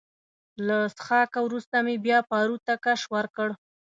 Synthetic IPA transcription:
lasxɑkawɾust̪amebjɑpɑɾut̪akaʃwəɾkəɽ

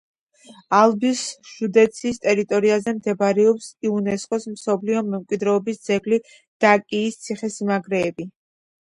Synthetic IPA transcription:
alˠbisʒ̥ud̪ɛt̪sʰist̪ʼɛɾit̪ʼɔɾiazɛmd̪ɛbaɾɛɔpsiunɛskʼɔsmsɔbliɔmɛmkʼwid̪ɾɛɔbisd̪z̥ɛɡli | d̪̥akʼiːst̪sʰiχɛsimaɡɾɛːbi

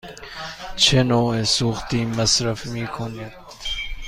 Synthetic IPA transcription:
t͡ʃʰenoːesuːxt̪iːməsɾəfmiːkʰonet̪

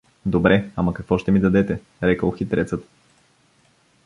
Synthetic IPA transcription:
d̪obɾɛamɐkɐkv̥ɔʃt̪ɛmid̪ɐd̪ɛt̪ɛ | ɾɛkəlˠxit̪ɾɛt̪sət̪

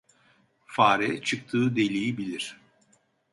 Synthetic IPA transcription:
faːɾɛt͡ʃʰɯk̚t̪ʰɯːd̪e̞lʲijibilʲiɾ̥

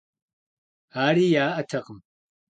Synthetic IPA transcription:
aːɾiːjaːʔɐtʰɐqəm

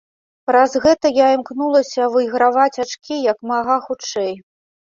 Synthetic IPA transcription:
pɾazɣɛt̪ɐjaimknulˠɐsʲɐvɨjɣɾavat͡sʲat͡ʂkʲijɐkmaɣaxut͡ʂɛj

